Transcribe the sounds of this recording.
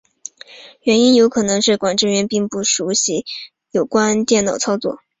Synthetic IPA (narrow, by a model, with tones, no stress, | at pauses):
ɥɛ˧˥ni˥njo˧˥ʊkʰɤ˨˩nɤ˧˥ŋʂɻ̩˥˩kwa˨˩nʈ͡ʂɻ̩˥˧ɥɛ˧˥npi˥˧ŋpu˥˩ʂu˧˥ɕi˧˥ | jo˨˩ʊkwa˥nt̪jɛ˥˩nnɑ˨˩ʊt͡sʰɑ˥ʊt͡swɔ˥˩